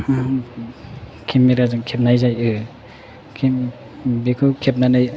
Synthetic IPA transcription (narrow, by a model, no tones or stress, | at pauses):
kʰimːiɾazɯŋkʰep̚najzajɯ | kʰi | bikʰɯkʰep̚nanaj